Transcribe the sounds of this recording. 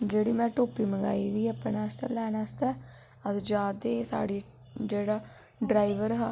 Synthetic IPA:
d͡ʒeːɽiːmɛ̃ːʈoːpiːməŋɡa̰ːiːd̪iːəpːnaːst̪ɛ̰ːlɛːnaːst̪ɛː | ət̪d͡ʒaːd̪eːsa̰ːɽiː | d͡ʒeːɽaː | ɖɾaːiʋəɾɦ

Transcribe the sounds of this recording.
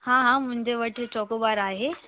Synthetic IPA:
hãːɦãmʊ̃ɦɪ̃ɲd͡ʑeʋɐʈʰɪ̆t͡ɕɔːkoɓaːɾaːɦeː

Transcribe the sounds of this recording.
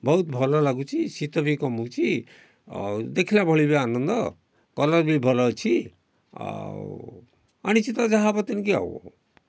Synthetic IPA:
bɔut̪bʱɔlɔlaɡut͡ʃʰisit̪ɔbʱikɔmut͡ʃʰi | d̪ekʰilabʱɔɭibianʌnd̪ʌ | kɔlɔɾbʱibʱɔlɔt͡ʃʰḭ | a̰ñit͡ʃit̪ad͡ʒaɦabɔt̪inkia̰w̰

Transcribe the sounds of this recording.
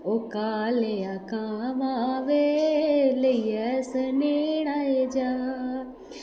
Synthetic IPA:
oːkaːleakaːʋaʋe | ləiːɛsəneɽaːed͡ʒaː

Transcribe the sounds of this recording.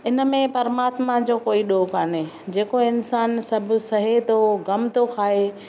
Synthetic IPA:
ɪnə̆mẽpɐɾəmaːt̪mad͡ʑoːkoːiɗoːkaːne | d͡ʑeːkoɪnsaːnsɐbʱʊsɐɦet̪oɡɐmt̪okʰaːe

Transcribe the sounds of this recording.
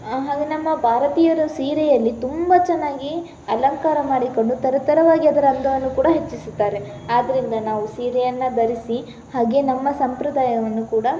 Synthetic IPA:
ɦaːɡenɐmːɐbʱaːɾɐt̪iːjɐɾusiːɾɛjɐlːit̪umbɐt͡ʃɛnːaːɡi | ɐlɐŋkaːɾɐmaːɽiko̞ɳɖut̪ɐɾɐt̪ɐɾɐʋaːɡiɐd̪ɐɾɐnd̪ɐʋɐnːukuːɽɐɦet͡ʃːisut̪ːaːɾe | aːd̪ːɐɾind̪ɐnaːʋusiːɾɛjɐnːɐb̪ɐɾisi | haːɡe̞nɐmːɐsɐmpɾɐd̪aːjɐʋɐnːukuːɽɐ

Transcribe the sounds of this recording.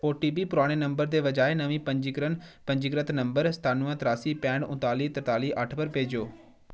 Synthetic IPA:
oːʈiːbipʊɾaːɽ̃enɐ̃mbəɾd̪eːʋɐd͡ʑaːenɐʋĩpɐ̃ɲd͡ʒɪkɾənpɐ̃ɲd͡ʒɪkɾət̪nɐ̃mbəɾst̪aːnuɦə̃t̪ɾaːsipɛ̃ːɳɖʊ̃t̪aːliːt̪ɐɾt̪aːliʔɐʈʰpəɾpeːd͡ʑoː

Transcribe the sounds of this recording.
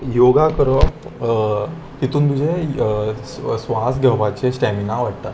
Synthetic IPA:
joɡakəɾə | t̪it̪uːnt̪ud͡ʑʱe | sʋasɡʱɛʋat͡ɕesʈɛminaʋaʈ̚t̪at̪

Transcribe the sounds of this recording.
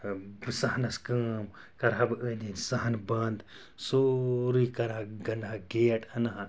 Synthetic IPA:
bsɐhɐnɐskəːm | kɐɾɦabɨənʲd̪insɐɦɐnbɐnd̪ | soɾikɐɾaɡɐnɦaɡeːɐʈɐnaɦã

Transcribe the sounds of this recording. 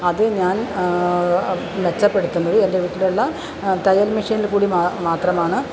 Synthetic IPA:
ɐðɨɲaːn | net͡ɕːɐpːeɽut̪ːunːɐðɨendeʋiʈːiluɭːɐ | t̪ɐjɐlmiʂiːnilkuːɽimːmaːt̪rɐmaːɳɨ

